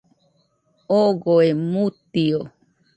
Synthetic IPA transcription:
oɡoemut̪io

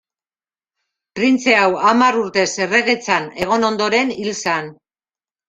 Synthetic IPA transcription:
pɾint͡se̞awamaɾuɾt̪e̞se̞re̞ɣe̞t͡sane̞ɣ̞o̞no̞nd̪o̞ɾe̞nilsan

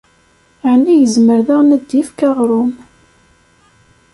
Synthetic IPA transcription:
ʕnːijəzməɾðəʁnəd̪ːifkaʁɾˤʊm

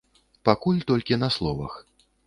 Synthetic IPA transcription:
pakulʲt̪ɔlʲkʲinɐslˠɔvɐ̰x

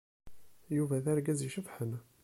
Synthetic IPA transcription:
juvæθæɾɡæziʃəfħən

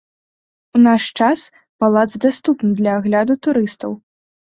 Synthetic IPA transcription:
unaʂt͡ʂas | palˠad̪zd̪ast̪upnɨd̪lʲɐːɣlʲad̪ut̪uɾɨst̪ɐw

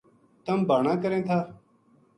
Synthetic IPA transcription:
t̪əmbʱaːɳãːkəɾẽːt̪ʰaː

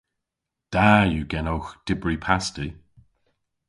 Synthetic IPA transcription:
d̪̥ajuɡɛnowxd̥ɪbɹipʰasti

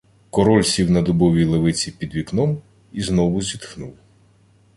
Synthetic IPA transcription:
kɔɾɔlʲsʲiwnɐd̪ɔbɔʋʲilˠeʋɪt͡sʲipʲid̪ʋʲiknɔm | iznɔʋʊzʲit̪xnuw

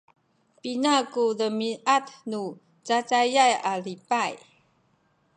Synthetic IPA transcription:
pinakudəmiʔatnu | t͡sat͡sajajalipaj

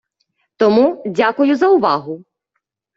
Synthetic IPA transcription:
t̪ɔmudʲakʊjʊzɐʊʋɑɦʊ

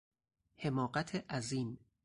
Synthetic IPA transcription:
he̞mɒːɢæt̪ʰeʔæziːn

